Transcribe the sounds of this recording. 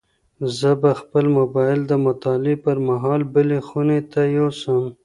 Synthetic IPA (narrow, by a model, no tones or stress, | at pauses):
zəbaxpəlmʊbɑɪld̪əmʊt̪ɑlɪpəɾmaɦɑlbəlexunet̪ajosəm